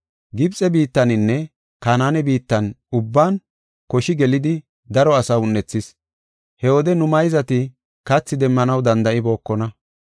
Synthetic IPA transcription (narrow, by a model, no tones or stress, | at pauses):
ɡɪbt͡sʼɛbiːt̪ːɐnɪnːɛ | kaːnaːnɛbiːt̪ːɐn | ʊbːaːn | kɔʃɪɡɛlɪd̪ɪ | d̪ɐɾɔɐsɐʊnːɛt͡sːɪs | hɛwɔd̪ɛnʊmɐjzɐt̪ɪ | kɐt͡sːɪd̪ɛmːɐnɐwd̪ɐnd̪ɐʔɪbo̞ːkːɔnɐ